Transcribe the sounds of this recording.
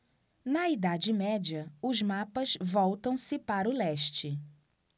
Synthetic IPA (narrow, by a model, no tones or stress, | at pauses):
nɐid̪ad͡ʒɪmɛd͡ʒɐʊzmapɐzvɔwt̪ɐ̃w̃sɪpaɾʊlɛʃt͡ʃɪ